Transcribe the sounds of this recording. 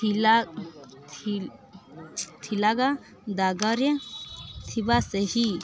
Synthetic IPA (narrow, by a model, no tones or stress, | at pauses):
ila | t̪ʰilaɡa | d̪aɡaɾjɐt̪ʰibasəɦi